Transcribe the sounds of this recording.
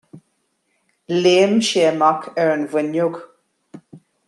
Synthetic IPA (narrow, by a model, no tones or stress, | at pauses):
leːmʃeːmakʰɛɹənvənjʊɡ